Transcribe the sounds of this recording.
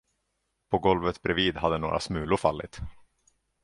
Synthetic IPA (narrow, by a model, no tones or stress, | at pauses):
pʰɔɡɔlvət̪bɾɛviːd̪ɦad̪ːəno̰ːɾʔa̰smʉ̟ːlʊɾfalːɪ̰t̪